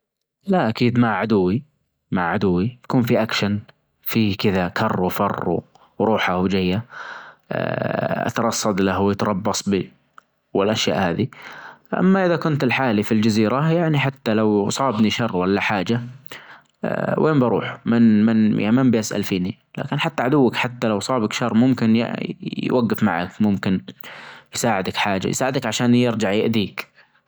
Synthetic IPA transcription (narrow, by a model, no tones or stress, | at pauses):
laʔakiːd̪maʕʕad̪ʊwːi | maʕʕad̪ʊwːijḁkuːnfiʔakʃan | fiːkɪðakʰɑrˤːufɑrˤːṵ | ɾˤuːħahwd͡ʒajːa̰ | ʔa̰t̪ɑɾˤɑsˤːɑd̪lahwjɪt̪ɾˤɑbːɑsˤbi | wɪlʔaʃja̰ːʔhaːðiʔa̰mːaʔɪðakʊnt̪ɪlħaːlifild͡ʒaziːɾajaʕniħat̪ːalawsˤɑːbniʃɑrˤːwalːaħaːd͡ʒa | wʔeːmbɑɾˤṵːħmɪnmɪnja̰mambʔasʔa̰lfiːni | la̰ːkɪnħat̪ːaʕad̪ʊwːakħat̪ːalawsˤɑːbakʃɑrˤːmʊmkɪnj̰jwʔaɡːafmaʕa̰kmʊmkɪn | jsaːʕɪd̪akħaːd͡ʒa̰j̰saːʕɪd̪akʕaʃaːnjɪɾd͡ʒaʕjɪʔd̪iːk